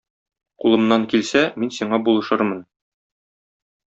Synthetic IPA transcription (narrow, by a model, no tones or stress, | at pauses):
qulˠɤ̆mnɑŋkilsæminsiɴɑbulˠɤ̆ʃɤɾmɤn